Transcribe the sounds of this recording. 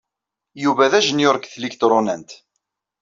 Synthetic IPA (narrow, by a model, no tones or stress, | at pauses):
juvæðæʒənjʊɾkθlikt̪ɾˤonæ̰nt̪